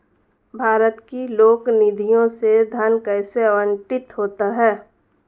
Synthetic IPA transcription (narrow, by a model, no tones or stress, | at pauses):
bʱaːɾət̪kiloːknɪd̪ʱijõsed̪ʱənkɛːseɐʋə̃ɳʈɪt̪ɦoːt̪aɦɛː